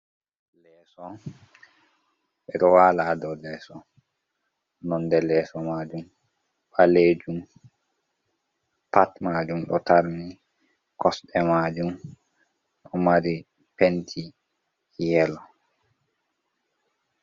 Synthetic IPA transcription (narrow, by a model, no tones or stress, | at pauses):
lɛːsɔ | ɓɛɗɔwaːladɔlɛːsɔ | nɔndɛlɛsɔmaːd͡ʒum | ɓaled͡ʒum | patmaːd͡ʒumɗɔ̰taɾni | kɔsɗɛmaːd͡ʒum | ɗɔmaɾi | pentʰi | jɛlɔ